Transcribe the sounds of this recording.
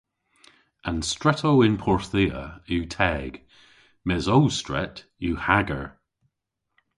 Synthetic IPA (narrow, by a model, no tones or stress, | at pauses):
ʔanstɹɛtʰowɪnpʰɔɹθiːə̰uːtʰɛɡ̥ | mɛzowstɹɛ̰t | juhaɡəɹ